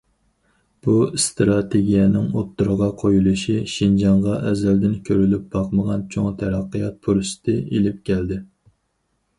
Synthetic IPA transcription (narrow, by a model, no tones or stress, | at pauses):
b̥ust̪ɾɑt̪ʰeɡʲijɛnɪŋot̪ːuɾəʁɑqʰojulˠuʃiʃind͡ʒɑɴʁɑʔɛzɛld̪ɪnkʲʰøɾylyp̚b̥ɑqməʁɑnt͡ʃʰoŋt̪ʰæɾɑqːəjɑt̪̚pʰuɾsɪ̥t̪ʰɪʔelɪp̚kʲʰɛld̪ɪ